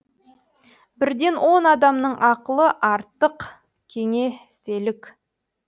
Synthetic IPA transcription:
bɪɾd̪e̞nwʔo̞nɑd̪ɑmnəɴʔɑqəlˠəʔɑɾt̪ːəq | kʲʰe̞ŋe̞se̞lɪkʲ

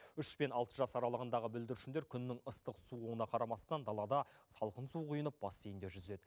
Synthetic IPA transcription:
ʏʃpe̞nɑlˠt̪əʒɑsɑɾɑlˠəʁənd̪ɑʁəbʏld̪ɪɾʃɪnd̪e̞ɾkʲʰʏnːɪŋəst̪əqsuʁuənɑqʰɑɾɑmɑst̪ɑnd̪ɑlˠɑd̪ɑsɑlˠqənsuqʰujənəp̚b̥ɑst̪ejɪnd̪e̞ʒʏze̞d̪ɪ

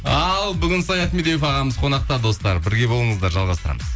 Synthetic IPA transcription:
ɑlˠbʏɡʲɪnsɑjɑt̪med̪ejefɑʁɑməzqʰo̞nɑq̚t̪ɑd̪o̞st̪ɑɾbɪɾɡʲe̞bo̞lˠəɴəzd̪ɑɾʒɑlˠʁɑst̪əɾɑ̰məz

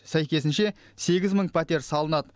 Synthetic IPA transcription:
sæjkʲe̞sɪnʃe̞ | se̞ɡʲɪzməɴpʰæt̪e̞ɾsɑlˠənɑd̪ə

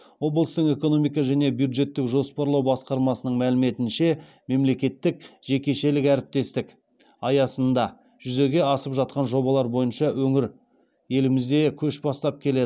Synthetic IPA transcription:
wo̞blˠəst̪əqe̞ko̞no̞mijk̬ɑʒæne̞bjud̪ʒe̞t̪ːɪkʒo̞spɑɾlˠɑwbɑsqɑɾmɑsənəɴmælɪme̞t̪ɪnʃe̞ | me̞mle̞kʲe̞t̪ːɪk̚ʒ̥e̞kʲe̞ʃe̞lɪkæɾɪp̚t̪e̞st̪ɪk | ɑjɑsənd̪ɑ | ʒ̥ʏze̞ɡʲe̞ɑsəpʒɑt̪̚qɑnʒo̞bɑlˠɑɾbo̞jənʃɑwɵŋɪɾ | je̞lɪmɪzd̪e̞kʲʰɵʃbɑst̪ɑp̚kʲʰe̞le̞d̪ɪ

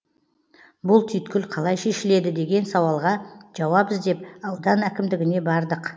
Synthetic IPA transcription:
bʊlˠt̪ʰʏjt̪kʲɪlqʰɑlˠɑjʃe̞ʃɪle̞d̪ɪd̪e̞ɡʲe̞nsɑwɑlˠʁɑʒ̥ɑwɑbəzd̪e̞p̚ɑwd̪ɑnækʲɪmd̪ɪɡʲɪne̞bɑɾd̪əq

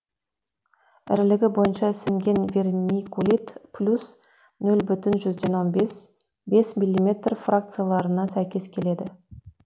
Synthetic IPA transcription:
ɪ̰ɾlɪɡʲɪbo̞jənʃɑsɪŋɡʲe̞nvʲe̞rmikulʲit̪plʲus | nɵlbʏt̪ɪnʒʏzd̪e̞nwo̞nbes | be̞smilʲːimʲe̞t̪rfrak̚t̪sɨjalˠɑɾənɑsæjkʲe̞skʲʰe̞le̞d̪ɪ

